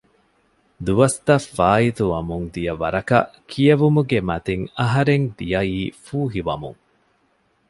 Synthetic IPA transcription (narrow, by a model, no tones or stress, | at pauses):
d̪uʋɐst̪ɐfːaːit̪uʋɐmuŋd̪ijɐʋɐɾɐkɐ̰kʰijɐʋumuɡemɐt̪eŋɐɦɐɾeŋd̪ijɐiːfuːɦiʋɐmṵŋ